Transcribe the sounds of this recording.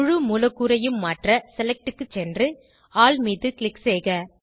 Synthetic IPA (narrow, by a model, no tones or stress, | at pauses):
ʊɻɯmuːlɐkːuːɾɐjɯmːaːʈrɐsɛlɛk̚ʈɯkːɯt͡ʃːɛndrɯ | aːlmiːðɯklɪkseːɣɐ